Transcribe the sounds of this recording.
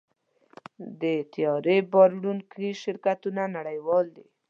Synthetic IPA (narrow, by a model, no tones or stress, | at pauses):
d̪ət̪ijɑɾebɑɾɽunkiʃɪɾkat̪unanaɽajwɑld̪ḭ